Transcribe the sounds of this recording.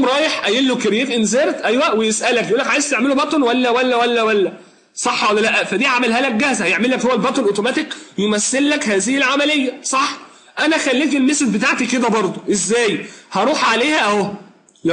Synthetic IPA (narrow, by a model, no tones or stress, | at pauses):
mɾˤɑːjeħʔæjiːlːokeɾjeːfʔenzeɾt̪ʔæjwæʔwejesʔælækjʔulːækʕajest̪eʕmelobɑt̪ˤnwælːæwælːæwælːæwælːæ | sˤɑħːwælːælæʔæfæd̪iːʕamælɦæːlæk̚ɡæhzæhæjeʕmelːækhowːælbɑt̪ˤnʔot̪omæːt̪ekjemæsːelːækhæːzɪhilʕamælejːæsˤɑħ | ʔænæxælːiːfelmeset̪bet̪aʕt̪iked̪æbɑɾˤd̪ˤoʔezːæːjhɑɾˤuːħʕaleːhæʔæo